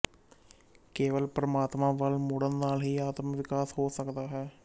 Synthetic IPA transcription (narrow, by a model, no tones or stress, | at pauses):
keːʋəlpɾəmaːt̪mãːʋəlmʊɽənːaːlɦiːaːt̪mʋɪkaːsɦoːsəkd̪aːɦɛː